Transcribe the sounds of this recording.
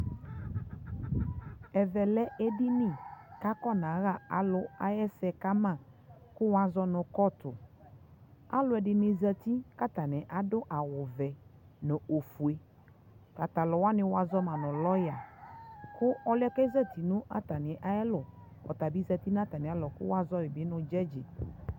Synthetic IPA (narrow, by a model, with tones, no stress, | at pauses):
ɛ˨vɛ˨lɛ˦ʔɛ˦dɪ˦nɪ̃˦˨ka˦kɔ˦nã˨˦ɣa˦˨a̰˨lʊ˦a̰˦jɛ˦sɛ˧ka˦mã˦˨ | kʊ˦wa˨˦zɔ˦nʊ˨kɔ˦tʊ˨ | a̰˦lʊ˨˦ɛ˨dɪ˨nɪ˨zə˧ti˦ka˦ta˨nɛ˨ʔa˨dʊ˦ʔa˨wʊ˨vɛ˨ | nʊ̃˨o˨fu˨e˦ | ka˨ta˨lɔ˨wa˦nɪ̃˨wa˨zɔ˦mã˨nʊ̃˨lɔ˦ja˨ | kʊ˦ɔ˦lɪ˦ɛ˦kɛ˦za˦˨ti˨nʊ̃˦ʔa̰˦ta˨nɪ˨˦ʔa˦jɛ˦lʊ˨ | ɔ̰˨ta˨bi˦za˧t̪i˦n˦a˦ta˨nɪ̃˨a˨˦lɔ˨kʊ̰˦wa˦zɔ˦wɪ˨bɪ˦nʊ̃˧d͡ʒɛ˦d͡ʒɪ˨